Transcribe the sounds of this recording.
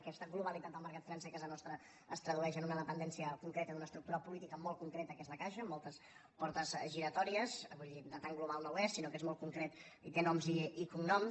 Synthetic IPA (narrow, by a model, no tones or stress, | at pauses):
kɛst̪əɡluβalit̪at̪̚əlˠməɾkat̪fɾansɛkazənɔst̪ɾə | əst̪ɾəðuɛʃənunəðəpənd̪ɛnsiəkuŋkɾet̪ənunəst̪ɾuk̚t̪uɾəpulit̪ikəmɔl̚ˠkuŋkɾet̪əːkɛst̪əkaʃəːmːɔlˠt̪əs | pɔɾt̪əzʒiɾət̪ɔɾiəzβuʎid̪ət̪aŋɡluβalˠnowɛst̪sinokezmɔlt̪kuŋkɾɛt̪ | it̪enɔmziikuŋnɔm